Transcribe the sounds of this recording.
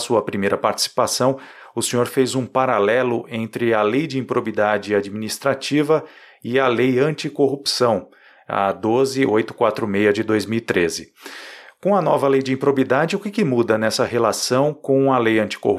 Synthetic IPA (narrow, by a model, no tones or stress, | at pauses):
suɐpɾimejɾɐpaɾt͡ʃɪ̥si̥pasɐ̃w̃ | ʊsẽɲoɾfezũpaɾalɛlʊʔẽnt̪ɾɪɐlejd͡ʒɪĩpɾobid̪ad͡ʒɪad͡ʒiminist̪ɾat͡ʃivɐ | ɪɐlejɐ̃t͡ʃikoɦupsɐ̃w̃ | ɐ̰d̪ozɪojt̪ʊ̥kwat̪ɾʊmejɐd͡ʒɪd̪ojzmiwit̪ɾezɪ | kõw̃ɐnɔvɐlejd͡ʒɪĩpɾobid̪ad͡ʒɪʊkɪkɪmud̪ɐnɛsɐɦelasɐ̃w̃kõw̃ɐlejɐ̃nt͡ʃi̥ko̰hu